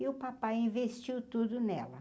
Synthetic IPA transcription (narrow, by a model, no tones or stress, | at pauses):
ɪʊpapajĩvest͡ʃiwt̪ud̪ʊnɛlɐ